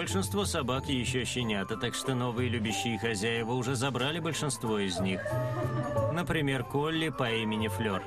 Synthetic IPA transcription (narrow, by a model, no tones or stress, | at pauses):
bəlʲʂɨnst̪vosɐbakʲɪjɪɕːoɕːɪnʲat̪ət̪akʂt̪o̞no̞vɨjɪlʲʉbʲɪɕːɪɪxɐzʲæjɪvəʊʐɛzɐbɾalʲɪbəlʲʂɨnst̪vo̞ɪzʲnʲix | nəpɾʲɪmʲe̞rkolʲːɪpɐimʲɪnʲɪflʲor